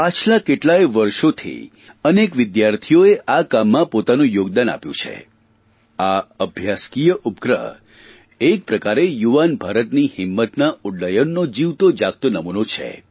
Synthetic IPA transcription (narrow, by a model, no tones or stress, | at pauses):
at͡ʃʰlakeʈlajʋəɾʃot̪ʰḭ | ənekʋɪd̪jaɾt̪ʰijoeʔakamːãpot̪anũjoɡd̪ana̰pjṵ̃t͡ʃʰḛ | aəbʱjaskijəʔupkɾəɦə | ek̚pɾəkaɾejuʋanbʱaɾət̪nihɪmːət̪nauɽːəjənːod͡ʒiʋt̪od͡ʒak̚t̪ənəmunot͡ʃʰḛ